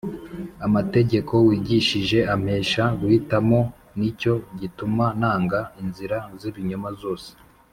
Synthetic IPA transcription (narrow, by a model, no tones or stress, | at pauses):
amate̞ɟe̞kʰo̞wiːɟiʃiʒe̞am̥e̞ːʃaɡwitamo̞ | nico̞ɟitumanaːŋɡainziɾaziβiɲomazo̞ːse̥